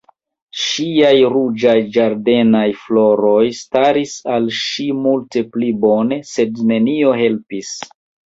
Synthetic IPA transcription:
ʃiajɾud͡ʒajd͡ʒaɾde̞najflo̞ɾo̞jstaɾisalʃimulte̞plibo̞ne̞se̞dne̞nio̞ɦe̞lpis

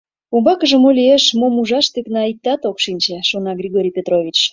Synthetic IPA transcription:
umbɑkəʒə̆molʲieʃmomuʒɑʃt̪yknɑik̚t̪ɑt̪okʃinʲt͡ɕeʃonɑɡrʲiɣoɾʲijpʲet̪rovʲit͡ɕ

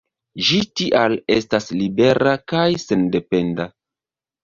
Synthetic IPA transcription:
d͡ʒitiʔale̞staslibe̞ɾakajse̞nde̞pe̞nda

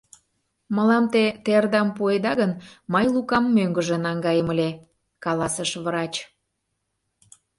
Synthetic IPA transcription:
məlɑmt̪et̪erd̪ɑmpued̪ɑɣənmɤjlukɑmːøŋɡəʒə̆nɑŋɡɑjəməlʲe | kɑlɑsəʃβɾɑt͡ɕ

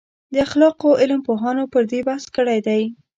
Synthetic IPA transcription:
d̪əaxlɑqoʔɪlmpoɦɑnopəɾd̪ebahskəɽajd̪aj

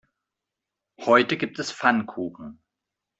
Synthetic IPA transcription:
hɔʏtəɡiːp̚tɛsfankʰuːχn̩

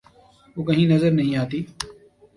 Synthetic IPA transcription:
ɦoːkəɦĩːnəzəɾnɐɦĩːaːt̪iː

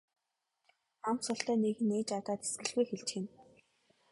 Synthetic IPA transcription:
amt̪sʊɬt̪œːneɣɘ̆neːt͡ɕat̪aːt̪e̥sɡɘ̆ɮɣujxeɮt͡ɕxɘ̆n

